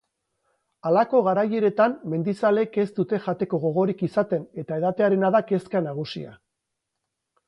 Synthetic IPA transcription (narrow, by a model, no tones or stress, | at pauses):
alako̞ɣ̞aɾaje̞ɾe̞t̪amme̞nd̪isale̞ke̞zd̪ut̪e̞ʝat̪e̞ko̞ɣ̞o̞ɣ̞o̞ɾikisat̪e̞ne̞t̪ae̞ðat̪e̞aɾe̞naðake̞skanaɣ̞usḭa̰